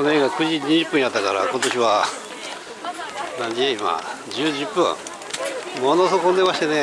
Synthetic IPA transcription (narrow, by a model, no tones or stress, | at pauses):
oneɡakɯ̟ʑiɲiʑɨpːɯ̃ɲ̃jat̪ːakaɾa̰ko̞t̪o̞ɕiβa | nãɲd͡ʑieima̰d͡ʑɨːd͡ʑɨpːɯ̰̃ | monosokond̪e̞maɕt̪ene